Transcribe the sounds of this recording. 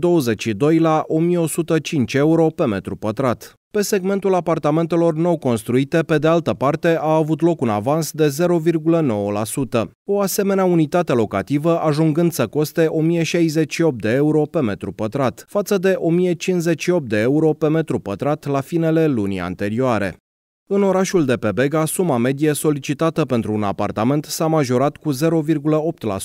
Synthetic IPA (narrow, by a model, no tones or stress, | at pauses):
d̪o̞wəze̞t͡ʃʃid̪o̞jlaʔo̞mijeo̞sut̪ət͡ʃint͡ʃʲe̞uɾo̞pe̞me̞t̪ɾupət̪ɾat̪ | pe̞se̞ɡme̞nt̪ulapart̪ame̞nt̪e̞lo̞rno̞wko̞nst̪ɾuit̪e̞pe̞d̪ealt̪əpart̪e̞ʔaːvut̪lo̞kuna̰vansd̪e̞ze̞ɾo̞virɡuləno̞wəlasut̪ə | o̞ase̞me̞neaunit̪at̪e̞lo̞kɾa̰t̪ivəʔaʒuŋɡɨnd̪səko̞st̪e̞ʔo̞mijeʃajze̞t͡ʃʃio̞p̚t̪̚d̪e̞euɾo̞pe̞me̞t̪ɾupət̪ɾat̪fat̪səd̪e̞ʔo̞mije̞t͡ʃinsze̞t͡ʃʃio̞p̚t̪̚d̪e̞euɾo̞pe̞me̞t̪ɾupət̪ɾat̪lafine̞le̞lunḭa̰nt̪e̞ɾioaɾe̞̰ | ɨno̞ɾaʃuld̪e̞pe̞be̞ɡasumame̞d̪ijeso̞lit͡ʃit̪at̪əpe̞nt̪ɾuːna̰pa̰rt̪ame̞nt̪samaʒo̞ɾat̪kuze̞ɾo̞virɡuləo̞p̚t̪la̰